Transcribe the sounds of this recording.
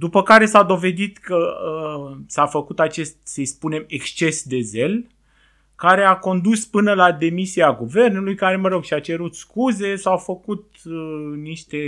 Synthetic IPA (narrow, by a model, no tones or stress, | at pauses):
d̪upəkaɾe̞sad̪o̞ve̞d̪it̪kə | safəkut̪at͡ʃe̞st̪̚səispune̞me̞kst͡ʃe̞sd̪e̞ze̞l | kaɾe̞ako̞nd̪uspɨnəlad̪e̞misiaɡuve̞rnulujkaɾe̞məɾo̞ɡʃiat͡ʃe̞ɾut̪skuze̞sawfəkut̪̚ | niʃt̪e̞